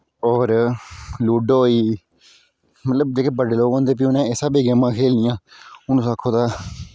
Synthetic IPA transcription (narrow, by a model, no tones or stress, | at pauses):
ɔːɾ | luːɖoːiː | mət̪ləbd͡ʒeːkeːbəɖeːloːɡõːnd̪eːp̬iːʊnẽːesaːbeːɡeːmãːkʰeːlnɪjãːʊnũːsaːkʰoːd̪aː